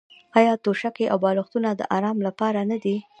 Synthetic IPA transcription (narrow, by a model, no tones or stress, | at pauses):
ɑjɑt̪oʃakeʔawbɑlʊxt̪unad̪ə̰ʔaɾɑmlapɑɾanad̪i